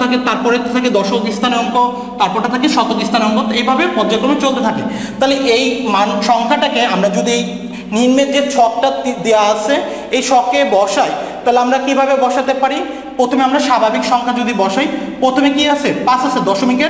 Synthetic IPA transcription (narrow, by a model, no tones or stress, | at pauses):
aket̪aɾpɔɾet̪at̪ʰaked̪ɔʃokist̪ʰaneɔŋkʰo | t̪aɾpɔɾʈat̪ʰakeʃɔt̪okist̪ʰaneɔŋkot̪ejbʱabepɔɾd͡ʑaɡɾomet͡ɕolt̪et̪ʰake | t̪aɦleʔejmanukʃɔŋkʰaʈakeamɾad͡ʑud̪iej | niɾmed͡ʑet͡ɕʰɔk̚ʈad̪eaat͡ɕʰe | ejʃɔkebɔʃajt̪aɦleamɾakibʱabebɔʃat̪epaɾi | pɾot̪ʰomeamɾaʃabʱabikʃɔŋkʰad͡ʑud̪ibɔʃajpɾot̪ʰomekiat͡ɕʰepasasʰed̪ɔʃomike